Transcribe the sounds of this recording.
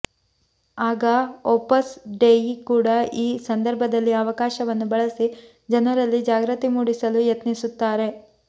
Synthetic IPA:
aːɡɐopɐsɖejkuːɽɐiːsɐnd̪ɐɾbʱɐd̪ɐlːiɐʋɐkaːʃɐʋɐnːubɐɭɐsi | d͡ʒɐnɐɾɐlːid͡ʒaːɡɾɐt̪imuːɽisɐlujet̪nisut̪ːaːɾe̞

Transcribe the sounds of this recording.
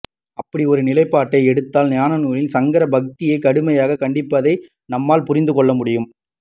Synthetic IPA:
ɐpːɐɽiɔɾɯnɪlɐɪpːaːʈːɐɪɛɽɯt̪ːaːlnjaːnɐnuːlɪnsɐŋɡɐɾɐbɐk̚t̪ɪjɐɪkɐɽɯmɐjaːɣɐkɐɳɖɪpːɐðɐɪ | nɐmːaːlpʊɾɪnd̪ɯkɔɭːɐmʊɽɪjɯm

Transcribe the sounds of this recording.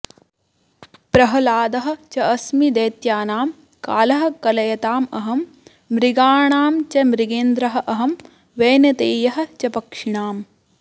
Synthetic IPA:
pɾɐɦɐlaːd̪ɐɦɐ̆t͡ʃɐɐsmid̪eːt̪jaːnaːm | ka̰ːlɐɦɐ̆kɐlɐjɐt̪aːmɐɦɐmː | ɾiɡaːɳaːmt͡ʃɐmɾiɡeːnd̪ɾɐɦɐ̆ʔɐɦɐm | ʋeːnɐt̪eːjɐɦɐ̆t͡ʃɐpɐkʂiɳaːm

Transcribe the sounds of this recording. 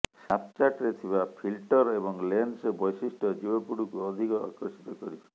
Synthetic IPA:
sapt͡ʃaʈɾet̪ʰiβapʰilʈɔɾebɔŋlensbɔjsisʈɔd͡ʒibɔpuɽukuɔd̪ʱikɔa̰kɔsi̥t̪ɔkɔɾibɔ̥

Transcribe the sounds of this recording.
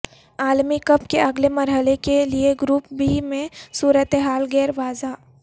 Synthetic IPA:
aːlmikɐpkeɐɡlemɐɾɦəlekelieɡɾuːp̚bʱimẽsuːɾət̪eɦaːlɡɛːɾʋaːza

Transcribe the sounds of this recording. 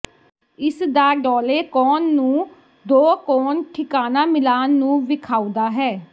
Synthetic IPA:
ɪsd̪aːɖɔːleːkɔːnːũː | d̪oːkɔːnʈʰɪkaːnaːmɪlaːnːũːʋɪkʰaːuːd̪aːɦɛː

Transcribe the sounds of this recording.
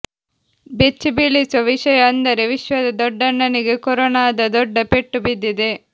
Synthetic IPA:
bet͡ʃːibilisʋɐʋiʃɐjɐːnd̪ɐɾeʋiʃʋɐd̪ɐd̪ɔɖːɐnːɐniɡekɔɾɔnaːd̪ɐd̪ɔɖːɐpeʈːubid̪ːid̪e

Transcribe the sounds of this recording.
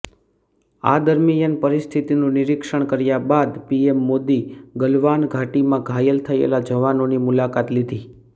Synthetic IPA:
a̰d̪əɾmijənpəɾist̪ʰit̪inũnɪɾikʃəɳ̃kəɾjabad̪piemːod̪iɡəlʋanɡʱaʈimãɡʱajəlt̪ʰəḛlad͡ʒəʋanonimulakat̪lid̪ʱi

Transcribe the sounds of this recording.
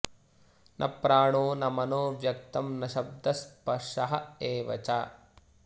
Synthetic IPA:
nʔɐ̰pɾaːɳoːnɐmɐnoːʋjɐk̚t̪ɐmnɐʃɐb̚d̪ʱɐspɐʂɐɦɐeːʋɐ̰t͡ʃaː

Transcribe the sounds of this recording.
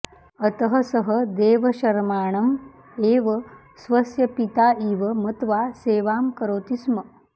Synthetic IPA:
ət̪əɦəsəɦəd̪eːʋəɕɐɾmaːɳɐm | eːʋə | sʋɐsjɐpit̪aːiːʋəmət̪ʋaseːʋaːmkəɾoːt̪ismə

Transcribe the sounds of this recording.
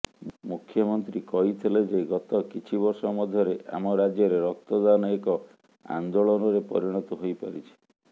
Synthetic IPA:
mukʰːjɔmɔnt̪ɾikɔɦit̪ʰiled͡ʒeɡɔt̪ɔkit͡ʃʰiβɔɾsɔmɔd̪ʱjɔɾeʔa̰mɔɾad͡ʒjɔɾeɾɔk̚t̪ɔd̪anɔekɔ | a̰nd̪oɭɔnɔɾepɔ̰ɾiɽ̃ɔt̪ɔɦojpaɾit͡ʃʰi̥

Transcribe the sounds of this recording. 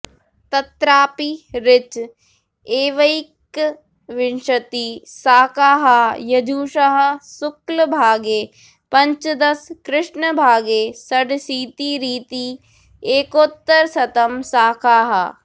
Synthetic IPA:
t̪ɐt̪ɾaːpiɾɪt͡ʃ | eːʋɐik | ʋɪnʃɐt̪iːsaːkʰaːɦɐjɐd͡ʒʱuːʃɐɦɐ̆sʊkləbʱaːɡeː | pɐ̃ɲt͡ʃd̪ɐskɾɪʂɳəbʱaːɡeːsɐɖsiːt̪iɾiːt̪iː | eːkoːt̪ːɐɾsɐt̪ɐmsaːkʰaːɦɐ̰

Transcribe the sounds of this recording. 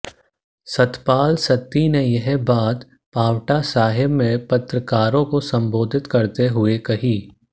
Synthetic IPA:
sɐt̪paːlsɐt̪ːinejɐɦbaːt̪ | paːwʈasaːɦɪbmẽpɐt̪ɾəkaːɾõkosɐ̃mboːd̪ʱɪt̪kɐɾt̪eɦʊekɐɦiː

